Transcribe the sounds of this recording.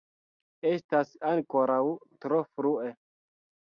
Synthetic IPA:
e̞stasaŋkoɾawtɾofɾue

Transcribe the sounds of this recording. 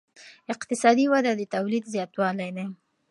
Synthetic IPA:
ɪqt̪ɪsɑd̪iwad̪ad̪ət̪awlid̪zjɑt̪wɑlajd̪aj

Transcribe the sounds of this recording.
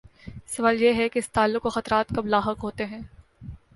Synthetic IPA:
sɐʋaːljeɦɛkeɪst̪aːlːʊqkoxɐt̪ɾaːt̪kɐblaːɦəqɦoːt̪eɦɛ̃ː

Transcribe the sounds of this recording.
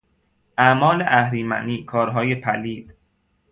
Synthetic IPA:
ʔæmɒːleʔæhɾiːmæ̰niːkʰɒːɾɦɒːjepʰæliːd̪̥

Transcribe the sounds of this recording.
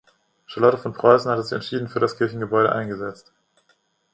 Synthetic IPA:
ʃalɔtəfɔnpʁ̥ɔʏsn̩hatəzɪçɛ̰ntʃiːdn̩fyːɐɾaskʰɪɐçn̩ɡəbɔʏɾəʔa̰ɪnɡəzɛt͡st

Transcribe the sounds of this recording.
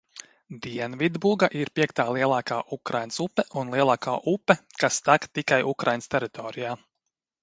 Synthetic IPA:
d̪iɛnvid̪buɡaʔiɾpʲiɛkt̪aːlˠiɛlˠaːkaːʔukɾajnsupːɛʔunlˠiɛlˠaːkaːʔupːɛkast̪akt̪ikajukɾajnst̪ɛɾit̪ɔːɾijaː

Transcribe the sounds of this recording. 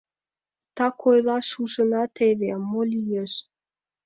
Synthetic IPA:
t̪ɑkʰojlɑʃuʒə̆nɑt̪eβemːolʲijeʃ

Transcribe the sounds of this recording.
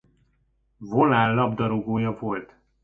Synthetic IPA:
volaːlːɒbd̪ɒɾoɡoːjɒvo̞lt̪

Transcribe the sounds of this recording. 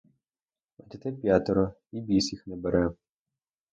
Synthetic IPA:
ɐt̪ʲit̪ɪpʲjat̪ɔɾɔ | ibʲisʲixnɛbɛɾɛ

